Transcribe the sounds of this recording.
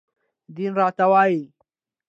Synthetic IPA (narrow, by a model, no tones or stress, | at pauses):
d̪inɾɑːt̪awɑːji